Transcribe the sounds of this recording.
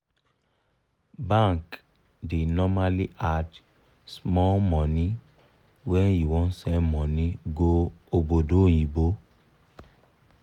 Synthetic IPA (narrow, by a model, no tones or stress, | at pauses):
bãŋk | denɔmaliʔad | smɔlmɔ̃ni | wɛniwɔ̃nsɛmɔ̃nĩɡoobodojibo